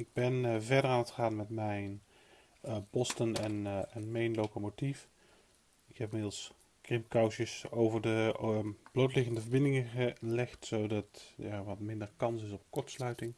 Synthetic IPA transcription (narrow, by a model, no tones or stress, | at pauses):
ɪɡ̚bɛnvɛɹdəɹaːnətχəaːnmɛtmɛjn | pɔstənɛnɛnmɛjnlowkomotif | ɪkɦɛpɪmɪdəlˠs | krɪmpkɑwsəsowvəɹdə | b̥lowtlɪχəndəvəɹbɪndɪŋəχəlɛχtsowdɑtjaːʋɑtmɪndəɹkɑnsɪsɔp̚kɔɹtslœɥtɪŋ